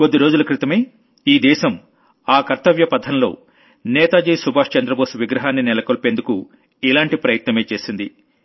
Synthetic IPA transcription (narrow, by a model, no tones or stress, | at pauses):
ko̞d̪ːiɾo̞ːd͡ʒulɐkɾit̪ɐmeː | iːd̪ɛːʃɐm | aːkɐɾt̪ɐʋjɐpɐd̪ʰʱɐnlo̞̰ː | nɛːt̪aːd͡ʒɐjsubʱaːʂt͡ʃɐnd̪ɾɐboːsuʋiɡɾɐɦaːnːinɛlɐkoːlpe̞nd̪uku | ilaːɳʈipɾɐjɐt̪nɐme̞ːt͡ʃe̞ːsind̪i